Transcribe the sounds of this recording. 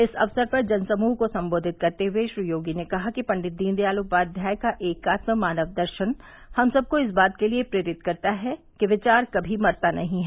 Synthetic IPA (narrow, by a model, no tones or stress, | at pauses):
ɪsɐ̰ʋsəɾpɐɾd͡ʒɐnsɐmuːɦkosɐ̃mboːd̪ʱɪt̪̚kɐɾt̪eɦuweʃɾujoːɡinekɐɦakipɐ̃ɳɖɪt̪̚d̪iːnd̪ijaːluk̚baːd̪ʱjaːjkaʔeːkaːt̪məmaːnəʋd̪ɐɾʃən | hɐmsɐb̚koɪs̬baːt̪keliepɾeːɾɪt̪̚kɐɾt̪aɦɛ | kiʋɪt͡ʃaːɾkɐbʱimɐɾt̪anɐɦĩɦɛː